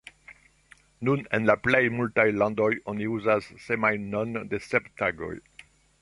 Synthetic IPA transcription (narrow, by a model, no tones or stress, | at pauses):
nunɛ̰̃nlaplejmult̪ajlɑ̃d̪ɔjɔ̃niuzazːɛmajnɔ̃nd̪esɛpt̪aɡɔ̰j